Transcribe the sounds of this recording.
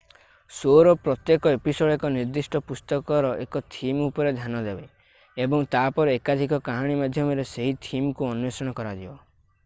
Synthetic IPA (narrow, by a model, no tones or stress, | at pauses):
soɾɔpɾɔt̪jekɔepisoɽekɔniɾd̪isʈʰɔpust̪ɔkɔɾɔʔekɔt̪ʰimupɔɾed̪ʱjanɔd̪ebe | ebɔŋt̪apɔɾeekad̪ʱikɔkaɦaɽ̃imad̪ʱjɔmɔɾeseɦit̪ʰimkuɔnjesɔɽ̃ɔkɔɾad͡ʒibɔ